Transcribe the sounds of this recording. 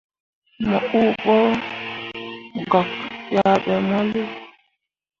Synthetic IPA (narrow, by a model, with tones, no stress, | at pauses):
mɔ˨u˦˨ɓɔ˦ | ɡɔ˨kja˦ɓɛ˨mɔ˦lu˦